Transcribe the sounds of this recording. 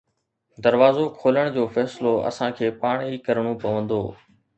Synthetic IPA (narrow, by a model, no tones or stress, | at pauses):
d̪ɐɾʋaːzokʰoːləɽ̃d͡ʑoːfɛːsɪloɐ̰sãkʰeːpaːɽ̃iːkɐɾəɽ̃opɐʋə̃nd̪o̰ː